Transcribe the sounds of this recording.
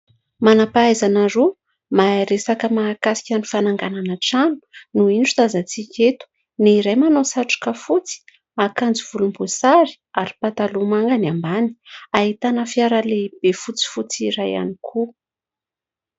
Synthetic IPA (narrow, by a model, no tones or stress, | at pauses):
manapaajzanaro | maaɾesakəmaːkasi̥kʲanifanaŋɡananəʈ͡ʂanu̥nuinɖ͡ʐuzazat͡sikʲet̪u̥ | niːɾajmanosaʈ͡ʂu̥kəfut͡si̥ | akand͡ziv̥ulumbosaɾi̥ | aɾi̥pat̪alumaŋɡaniambani̥ait̪anəfiaɾəleb̥efut͡si̥fut͡siɾaja̰nikʰu